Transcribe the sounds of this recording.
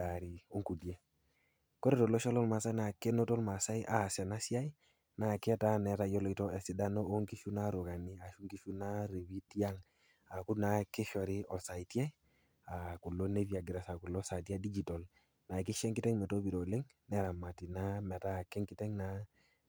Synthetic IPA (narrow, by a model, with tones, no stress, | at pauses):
a˨ɾi˨o˦ŋku˨die˦ | kɔ˦ɾe˦˨tɔ˨lɔ˦ʃɔ˦lɔ˦lma˨sa˦na˨ke˦nɔ˦tɔ˦lma˨sa˦jʔa˨sɛ˨na˦si˦a˦i˦ | na˨kɪ˦ɛ˦ta˦nɛ˨ɾa˨jɔ˦lɔ˨i˦tɔ˦ɛ˨sɪ˨da˦nɔ˦o˦ŋki˦ʃu˦na˦ɾu˨ka˨ni˦a˨ʃu˦ŋki˦ʃu˦na˦ɾe˨wi˦ti˦a˦ŋ | a˨ku˦na˨kɪ˦ʃɔ˨ɾɪ˦ʔɔ˨sa˨i˨tja˦i | a˨ku˨lːo˦ne˦vi˦a˨ɡɪ˨ɾa˨sa˨ku˨lɔ˦sa˨t̬i˦a˦di˦d͡ʒi˨tɔ˨l | na˨k̬ɪ˦ʃɛ˦ŋkɪ˦tɛ˦ŋmɛ˨to˦bi˨ɾɔ˨le˦ŋ | nɛ˦ɾa˨ma˨ti˨na˦mɛ˨ta˦˨kɛ˦ŋkɪ˦tɛ˦ŋna˨